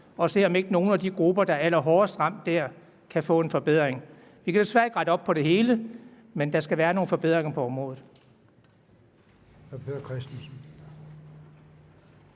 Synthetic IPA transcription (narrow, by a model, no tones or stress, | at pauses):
ɒ̽se̝̰ːɒ̽me̝ɡ̥əno̝ːn̩æd̥iɡ̥ʁub̥ɐd̥ɑ̈æl̰ɐɦɒːɐsd̥ʁɑ̈m̰d̥ːæɐ̰ | kʰæfɔ̰̽ːe̝nfɒ̽b̥eð̞̰ˠʁeŋ | ʋikæd̥esʋæɐ̰iɡ̥ʁɑ̈d̥əɒ̽b̥̚pʰɒ̽ɾe̝ɦe̝ːlə | mend̥ɑ̈sɡ̥æʋæːɐno̝ːn̩fɒ̽be̝ð̰ˠʁeŋɐpʰɒ̽ɒ̽mʁɔ̽ːð̩ˠ | hpʰeðɐkʰʁɛsd̥sn̩